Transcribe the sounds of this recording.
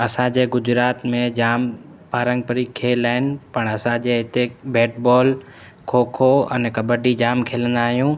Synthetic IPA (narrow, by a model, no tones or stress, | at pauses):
ɐsãd͡ʑeːɡʊd͡ʑɾaːt̪mẽd͡ʑaːm | paːɾə̃ŋɡ̚pəɾikʰeːlaːɪnɪ̆pɐɳ̃ɐsãd͡ʑeːɦɪt̪ebeːʈbɔːl | kʰoːkʰoɐ̰nɛkɐbəɖid͡ʑaːmkʰeːlə̃nd̪aːɦijũː